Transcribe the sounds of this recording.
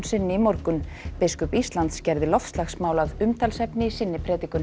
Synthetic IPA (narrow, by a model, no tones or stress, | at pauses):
nsɪnːɪimɔɾkʏnpɪskʏpist̪lant̪scɛɾðɪlɔfst̪laxsmaːwlaðʏmt̪ʰalsɛpnɪisɪnːɪpʰɾɛːt̪ikʏn